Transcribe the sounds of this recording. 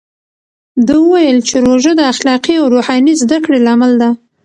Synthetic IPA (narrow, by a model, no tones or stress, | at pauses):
d̪əwəwajəlt͡ʃeɾoʒəd̪əaxlɑqiawɾohɑnizd̪akɽelamald̪a